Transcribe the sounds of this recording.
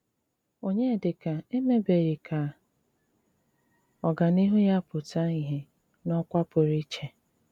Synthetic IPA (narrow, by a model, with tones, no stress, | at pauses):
o˨ɲe˦˨dɪ˨ka˨e˦me˦be˨ɾe˨kʰa˨ | ɔ˨ɡa˨ni˦ɦu˦ja˦pʊ˨ta˦i˨ɦe˦ | nɔ˦kʷa˦pʊ˨ɾi˦t͡ʃe˨